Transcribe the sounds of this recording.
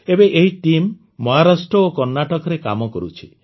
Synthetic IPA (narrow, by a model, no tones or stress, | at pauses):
ebeʔeɦiʈimː | ɔɦaɾasʈɾɔokɔɾnaʈɔkɔɾeka̰mɔkɔɾut͡ʃʰi